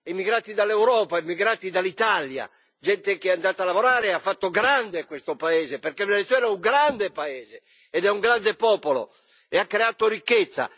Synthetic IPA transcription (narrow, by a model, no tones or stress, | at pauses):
imːiɡɾaːt̪id̪alɛuwɾɔːpaimːiɡɾaːt̪id̪alːit̪alja̰ | d͡ʒɛnt̪ekeɛand̪aːt̪alːavoɾaːɾeafːat̪ːoɡɾand̪ekwest̪opaɛːzepeɾkeminalit̪uwɛːɾauŋɡɾand̪epaɛːze | ɛd̪ɛuŋɡɾand̪epɔːpolo̰ | eakːɾeaːt̪oɾikːet̪sːa̰